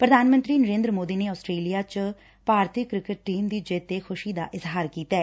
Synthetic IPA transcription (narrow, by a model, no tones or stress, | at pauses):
pɾəd̪ʱaːnmə̃nt̪ɾiːnəɾẽːnd̪ɾəmoːd̪iːneːɔːsʈɾeːlijaːt͡ʃ | paːɾt̪ʰɪkɾɪkəʈ̚ʈiːmd̪iːd͡ʒeːt̪eːxʰʊʃiːd̪a̰ːʔɪzɦaːɾkiːt̪aɛː